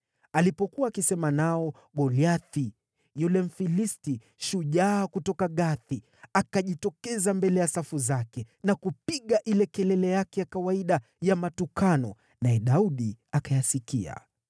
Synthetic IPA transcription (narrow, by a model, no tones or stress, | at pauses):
alipɔkuwaːkisɛmanaɔ | ɡɔliaθi | julɛm̩filisti | ʃuʄaːkutɔkaɠaθi | akaʄitɔkɛzambɛlɛjasafuzakɛ | nakupiɠaʔilɛkɛlɛlɛjakɛjakawaiɗa | jamatukanɔ | naɛɗauɗiakajasikḭa̰